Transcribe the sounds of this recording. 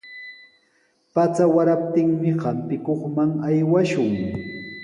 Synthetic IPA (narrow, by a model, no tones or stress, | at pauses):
pat͡sawaɾap̚t̪ɪŋmɪhampɪkoχmaŋajwaʃʊŋ